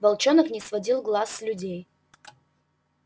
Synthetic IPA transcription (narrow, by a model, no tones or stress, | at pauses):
vɐlˠt͡ɕonəknʲɪsvɐdʲilˠɡlˠasːlʲʊdʲej